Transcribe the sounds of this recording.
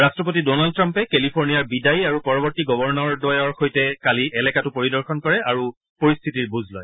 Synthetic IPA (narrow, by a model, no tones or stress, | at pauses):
ɹastɹɔp̬otidɔnald̚tɹampɛkelipʰoɹnijaɹbidajiaɹupɔɹɔbɔɹtiɡɔbɔɹnɔɹdɔjɔɹxojtɛkaliʔɛlɛkatupoɹidɔɹxɔnkɔɹɛaɹu | poɹist̪ʰitiɹbuzʱlɔ̰j